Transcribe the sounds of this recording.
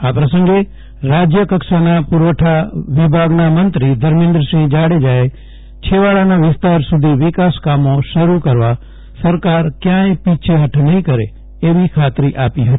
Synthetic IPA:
aːpɾəsə̃ŋɡe | ɾaːd͡ʒjəkəksanapʊɾʋəʈʰaʋɪbʱaɡnamənt̪ɾid̪ʱəɾmɪ̃nd̪ɾəsĩd͡ʒaːɽed͡ʒaːe | t͡ʃʰeʋaːɭanaʋɪst̪aːɾsʊd̪ʱiʋɪkaːskaːmõʃəɾukəɾʋa | səɾkaːɾkjãːẽpit͡ʃʰeɦəʈʰnəɦĩkəɾḛ | eːʋikʰaːt̪ɾiʔaːpiɦət̪i

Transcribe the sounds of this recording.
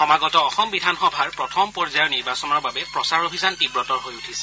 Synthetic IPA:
xɔmaɡɔtɔːxɔmbidʱanxɔbʱaɹpɹɔtʰɔmpɔɹzajɔniɹbasɔnɔɹbabɛpɹɔsaɹobʱizantibɹɔtɔɹɦojutʰisɛ̥

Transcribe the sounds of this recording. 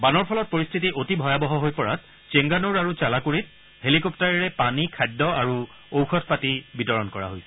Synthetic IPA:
banɔɹpʰɔlɔt̚poɹist̪ʰitiʔotibʱɔjabɔɦɔɦojpɔɹa̰t̚ | t͡ʃeŋɡanuɹaɹut͡ʃalakoɹit̚ | helikɔp̚taɹɛɹɛpanikʰajdɔaɹu | owxʰɔtʰpatibitɔɹɔnkɔɹa̰ɦojsɛ̥

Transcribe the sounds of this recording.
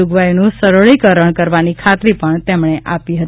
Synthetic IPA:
uɡʋajnũsəɾoɭikəɾəɳkəɾʋanikʰat̪ɾipəɳt̪emɳ̃eʔapiɦət̪

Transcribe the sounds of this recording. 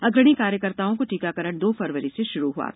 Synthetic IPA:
ɐɡɾəɽ̃ikaːɾjəkəɾt̪aːõkoʈiːkakɐɾəɽ̃d̪oːfɐɾʋəɾiseʃʊɾuɦua̰ː

